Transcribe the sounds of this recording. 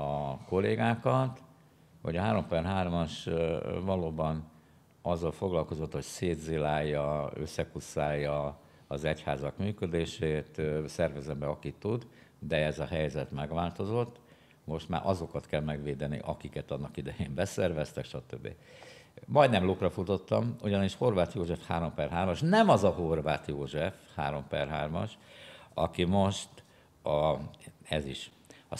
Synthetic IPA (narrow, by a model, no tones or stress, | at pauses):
ɒko̞lːeːɡaːkɒt̪ | ho̰ɟɒɦaːɾo̞mpɛrɦaːrmɒʃvɒloːbɒn | ɒzːɒlfo̞ɡlɒlko̞zo̞t̪ːho̞cseːd̪zilaːjːɒø̞̰sːɛkusːaːjːɒ | ɒzɛchaːzɒkmyːkød̪eːʃeːt̪sɛrvɛzɛmbɛɒkit̪ːud̪ | d̪ɛɛzɒɦɛjzɛt̪mɛɡʋaːlt̪o̞zo̞t̪ː | mo̞ʃt̪ma̰ːɾʔɒzo̞kɒt̪kɛlmɛɡʋeːd̪ɛnḭʔɒkikɛt̪ɒnːɒkid̪ɛjeːmbɛsɛrvɛst̪ɛkʃɒt̪øbːḭ | mɒjd̪nɛmloːkrɒfut̪o̞t̪ːɒmuɟɒniʃho̞rvaːt̪joːʒɛfhaːɾo̞mpɛrɦaːrmɒʃnɛmɒzɒɦorvaːt̪joːʒɛfhaːɾo̞mpɛrɦa̰ːrmɒ̰ʃɒ̰kimo̞ʃt̪ | ɒ | ɛziʃ | ɒ̰